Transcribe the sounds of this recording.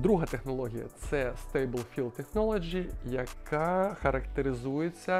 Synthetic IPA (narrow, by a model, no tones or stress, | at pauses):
d̪ɾuɦɐt̪ɛxnɐlˠɔɦʲijɐ̰t̪sɛst̪ejbɨlˠfʲilˠd̪̚t̪ːɛxnɔlˠɐd͡ʒijɐkaxɐɾɐkt̪eɾɨzujɪt͡sʲːɐ